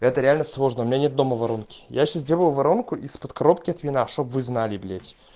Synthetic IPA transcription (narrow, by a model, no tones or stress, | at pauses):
ɛt̪əɾʲɪalʲnəslˠo̞ʐnəumʲnanʲet̪̚d̪o̞məvɐɾonkʲɪ̥jaɕasdʲebˠəlˠvɐɾonkʊʔispət̪kɐɾopkʲɪɐt̪vʲɪnaʂt̪o̞pvɨznalʲɪblʲetʲ